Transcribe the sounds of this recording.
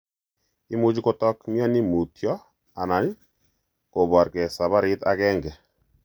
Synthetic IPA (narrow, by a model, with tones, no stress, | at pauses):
i˦mu˦d͡ʒkɔ˦tɔ˦kmi˦ɔ˦ni˦mu˨tjɔ˦ | a˨na˨˦ɲ | ko˨bɔ˨ɾkɛ˨sa˨βa˦ɾɪ˦ta˦kɛ˦ŋɡɛ˨